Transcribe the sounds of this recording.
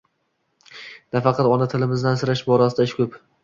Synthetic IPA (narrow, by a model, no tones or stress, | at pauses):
nafɑqʰɑt̪ɒnat̪ʰɪlɪmɪzd̪ansɪɾaʃbɒɾasɪd̪aɪʃkʰʲɵp